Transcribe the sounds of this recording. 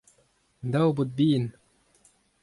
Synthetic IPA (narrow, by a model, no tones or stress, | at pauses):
d̪awbut̪̚bin